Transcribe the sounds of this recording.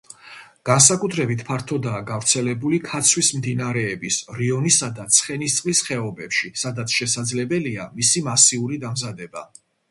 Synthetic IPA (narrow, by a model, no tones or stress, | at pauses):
ɡ̥ans̬akʼut̪ʰɾɛbit̪ʰpʰaɾt̪ʰɔd̪aːɡavɾt̪sʰɛlɛbulikʰat̪sʰwismd̪inaɾɛːbisɾiɔnisad̪at̪sʰχɛnist̪sʼlisχɛɔbɛpʃisad̪at̪sʰʃɛsad̪zlɛbɛlia̰misimasiuɾid̪amzad̪ɛba